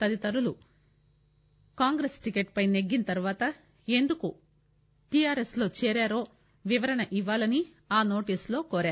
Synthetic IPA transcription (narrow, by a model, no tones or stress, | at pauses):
t̪ɐd̪it̪ɐɾulu | kaːŋɡɾesʈikeʈpɐjneɡːinɐt̪ɐɾuʋaːt̪ɐ | e̞nd̪uku | ʈijaːɾeslo̞ːt͡ʃɛːɾaːɾo̞ː | ʋiʋɐɾɐɳɐʔiʋːaːlɐni | aːno̞ːʈiːslo̞ːkoːɾaːɾu